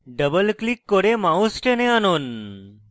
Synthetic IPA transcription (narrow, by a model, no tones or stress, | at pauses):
ɖəbəlklikːoɾemausʈeneanuːn